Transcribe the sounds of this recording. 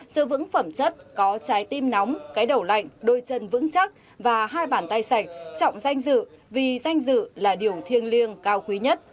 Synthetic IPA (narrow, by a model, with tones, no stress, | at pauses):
zɨ̰˧˨vɨ̰˧˥ŋfə˧˩mt͡ɕə˦˥t̚kɔ˨˦t͡ɕaː˨˦jt̪i˧mnɔ˨˦wŋ͡mkaː˨˦jɗə˧˩wla̰˧˨jŋ̟ɗo˧˩jt͡ɕə˧˩nvɨ̰˧˥ŋt͡ɕa˦˥k̚ | vaː˨˩ɦaː˧jɓaː˧˩nt̪a˧jsa˧˩jk̟̚t͡ɕɔ̰˧˨wŋ͡mza˧jŋ̟zɨ̰˧˨vi˨˩za˧jŋ̟zɨ̰˧˨laː˨˩ɗi˨˩əwt̪ʰi˧ənli˧ənkaː˧wkwi˨˦ɲə˦˥t̚